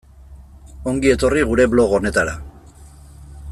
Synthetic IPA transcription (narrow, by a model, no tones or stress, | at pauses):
o̞ŋɡie̞t̪o̞riɣuɾe̞βlo̞ɣone̞t̪aɾa